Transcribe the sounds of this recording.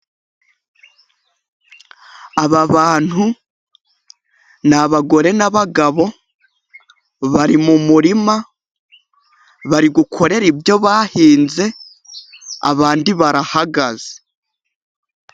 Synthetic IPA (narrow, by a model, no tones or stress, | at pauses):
aβaβaːn̥hu | naβaɡo̞ɾe̞naβaɡaβo̞ | βaɾimumuɾima | βaɾiɡukʰo̞ɾe̞ɾibjo̞βaːhiːnze̞ | a̰βaːndiβaɾahaɡaze̥